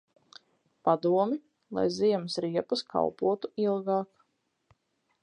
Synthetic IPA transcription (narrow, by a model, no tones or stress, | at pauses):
pad̪uɔmi | lˠa̰jziɛmsɾiɛpuskʰa̰wpuɔt̪uilˠɡɑːk